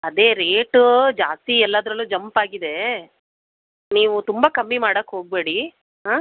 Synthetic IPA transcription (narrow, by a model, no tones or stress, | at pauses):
ɐd̪e̞ːɾeːʈd͡ʒaːst̪iɛlːaːd̪ɾɐlːud͡ʒɐmpaːɡid̪e̞ | niːʋut̪umbɐkɐmːimaːɽɐkːɦo̞ːɡ̚be̞ːɽi | ɦaː